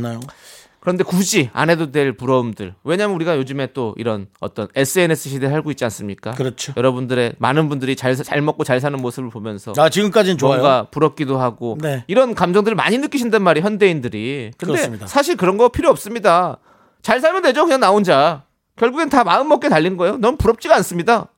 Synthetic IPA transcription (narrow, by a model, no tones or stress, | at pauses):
najo | kɯɾʌnde̞kud͡ʑia̰ne̞dodwe̞ɭpuɾʌumdɯ̰ɭwe̞ɲamjnuɾiɡajod͡ʑɯme̞t͈oʔḭɾʌnʌt͈ʌne̞s͈ʰɯe̞ne̞sʰɯɕʰideɦaɭɡoit̚t͡ɕ͈ians͈ɯmɲik͈akɯɾʌt͡ɕʰojʌɾʌbundɯɾe̞ma̰nɯnbundɯɾit͡ɕaɭst͡ɕa̰ɭmʌk͈̚ot͡ɕaɭs̬ʰanɯnmosʰɯbɯɭpomjʌnsʰʌat͡ɕiɡɯmk͈ad͡ʑint͡ɕʌjɡapuɾʌp̚k͈idoɦaɡoeiɾʌnkamd͡ʑʌŋdɯɾɯɭma̰ɲinɯk͈iɕʰindanmaɾiçjʌnde̞indɯɾikɯndesʰaɕ̬ʰiɭkɯɾʌnɡʌpʰiɾjoʌp̚s͈ɯmɲida | t͡ɕaɭs̬ʰaɭmjʌnde̞d͡ʑokɯɲanaond͡ʑa | kjʌɭɡuɡentamaɯnmʌk͈e̞taʎːinɡʌejonʌmpuɾʌp̚t͡ɕ͈iɡans͈ɯmɲida